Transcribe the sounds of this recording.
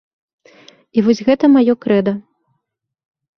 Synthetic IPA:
ivɔsʲɣɛt̪ɐmajɔkɾɛd̪ɐ

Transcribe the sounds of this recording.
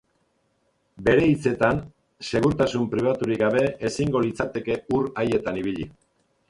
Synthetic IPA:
be̞ɾe̞it͡se̞t̪an | se̞ɣ̞uɾt̪asumpɾiβ̞at̪uɾikɡaβ̞e̞esiŋɡo̞lit͡sat̪e̞ke̞uraje̞t̪aniβiʎi

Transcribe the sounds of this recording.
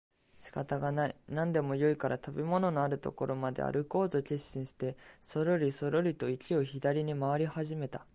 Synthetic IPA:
ɕi̥kat̪aɡanainãnd̪e̞mo̞jo̞ikaɾʔat̪abʲemo̞no̞noaɾɯ̟t̪o̞̰ko̞ɾo̞mad̪e̞̰a̰ɾʔɯ̟ko̞ːt̪o̞kʲeɕːĩɰ̃ɕi̥t̪e̞so̞ɾo̞ɾʲiso̞ɾo̞ɾʲit̪o̞ikʲio̞çid̪aɾʲiɲ̟imaβaɾʲihaʑime̞t̪a

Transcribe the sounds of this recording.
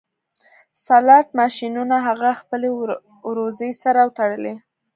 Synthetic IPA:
salɑʈ̚mɑʃinunaɦaɣaxpəle | wɾozəjsaɾawt̪aɽəle

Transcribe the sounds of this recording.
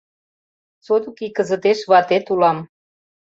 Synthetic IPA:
t͡sot̪ukikə̆zə̆t̪eʃβɑt̪et̪ulɑm

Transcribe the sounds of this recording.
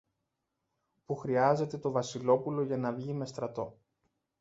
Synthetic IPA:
puxɾiɐze̞t̪e̞t̪o̞vɐsilo̞pulo̞ʝɐnɐvʝime̞st̪ɾɐt̪o̞

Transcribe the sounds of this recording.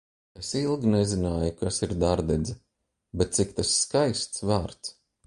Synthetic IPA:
esilˠɡʲinezinaːjukasiɾd̪aɾd̪ɛd̪zɛ | bet̪̚t̪sik̚t̪asːkajst̪svaːɾt̪s

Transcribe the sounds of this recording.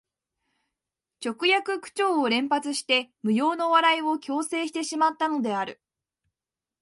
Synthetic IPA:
t͡ɕo̞kɯ̟jakɯ̟kɯ̟̥t͡ɕo̞ːoɾẽ̞mpat͡sɨɕi̥t̪e̞mɯ̟jo̞ːno̞βaɾaio̞kʲo̞ːse̞ːɕi̥t̪e̞ɕimat̪ːano̞d̪e̞aɾɯ̟

